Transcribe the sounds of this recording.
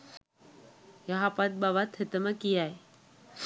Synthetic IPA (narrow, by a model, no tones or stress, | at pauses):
jaɦapat̪̚baʋat̪ʰət̪əməkijaj